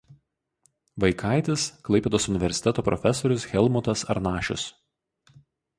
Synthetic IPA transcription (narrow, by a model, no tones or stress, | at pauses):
ʋɐɪkʰaˑɪt̪ʲɪsklˠɐɪpʲeːd̪oːsʊnʲɪʋʲɛɾʲsʲɪ̥t̪ʲɛt̪oːpɾɔ̰fʲɛsɔɾʲʊsxʲɛlˠmʊt̪ɐsɐ̰ɾnɑːʃʲʊ̰s